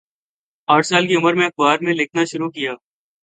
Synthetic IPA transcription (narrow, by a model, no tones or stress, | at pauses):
aːʈʰsaːlkiʊməɾmẽɐkʋaːɾmẽlɪkʰnaʃʊɾukijaː